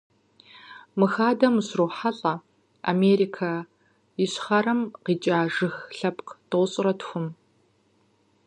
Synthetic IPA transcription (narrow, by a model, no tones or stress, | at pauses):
mɨxaːdɐmɨɕroħaɬʼɐ | a̰meːɾiːkʰa | jɪɕχɐɾɐmqiːt͡ʃʼaːʒɨxɬɐpqtʰʼɨʁʷʊɕʼɪrɐtʰxʷʊm